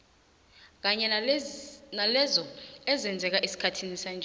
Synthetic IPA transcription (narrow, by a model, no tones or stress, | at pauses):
k̬aɲɛ | nalɛzɔɛzɛnd͡zʱɛk̬aʔisi̥kʰatʰinisand͡ʒʱ